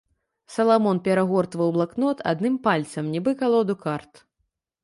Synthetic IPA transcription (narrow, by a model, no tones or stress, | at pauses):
sɐlˠamɔnpʲɛɾaɣɔrt̪vɐwblˠaknɔt̪ʰa̰d̪nɨmpalʲt̪sɐmnʲibɨkalˠɔd̪ukart̪